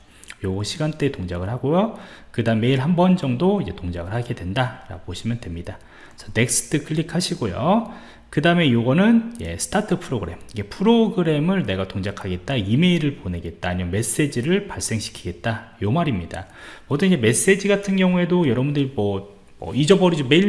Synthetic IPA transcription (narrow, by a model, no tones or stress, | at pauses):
joɡʌɕʰiɡant͈e̞toŋd͡ʑaɡɯɭɦaɡojokɯdame̞iɭɦambʌnd͡ʑʌŋdoid͡ʑe̞toŋd͡ʑaɡɯɭhaɡe̞dwe̞ndaɾa̰ɡoboɕʰimjʌndwe̞mɲida | sʰʌne̞k̚s͈ɯ̥tʰɯkʰɯɭːikʰaɕʰiɡojo̰ | kɯdame̞joɡʌnɯnje̞̰sʰtʰatʰɯpʰɯɾoɡɯɾe̞miɡe̞pʰɯɾoɡɯɾe̞mɯɭne̞ɡatoŋd͡ʑakʰaɡe̞t̚t͈aime̞iɾɯɭpone̞ɡe̞t̚t͈aːɲimjʌnme̞s͈e̞d͡ʑiɾɯɭpaɭs͈e̞ŋɕʰi̥kʰi̥ɡe̞t̚t͈ajomaɾimɲida̰ | mʌdɯnid͡ʑe̞me̞s͈e̞d͡ʑiɡatʰɯnɡjʌŋue̞dojʌɾʌbundɯɾimʌ | mʌ̰id͡ʑʌbʌɾid͡ʑome̞i